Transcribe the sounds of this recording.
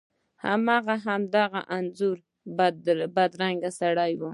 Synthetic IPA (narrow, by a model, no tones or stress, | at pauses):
ha̰mɑɣaɦamd̪aɣa̰ʔanzuɾ | bad̪ɾaŋɡasaɽajwu